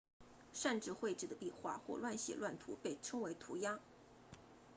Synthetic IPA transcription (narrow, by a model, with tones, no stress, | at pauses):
ʂa˥˧nʈ͡ʂɻ̩˥˧xwe˥˧ɪʈ͡ʂɻ̩˥˩d̪ə˩pi˥˧xwa̰˥˩xwɔ̰˥˧lwa˥˩nɕjɛ̰˨˩lwa˥˩nt̪ʰu˧˥pe˥˩ɪʈ͡ʂʰɤ˥ŋwe˧˥ɪt̪ʰu˧˥ja˥